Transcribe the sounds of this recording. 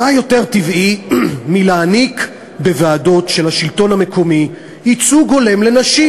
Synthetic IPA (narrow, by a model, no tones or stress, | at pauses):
ajo̞te̞ʁtivʔimilaːnik | be̞vaːdo̞tʃe̞lhaʃilto̞nhame̞ko̞mi | jit͡suɡo̞le̞mle̞naʃi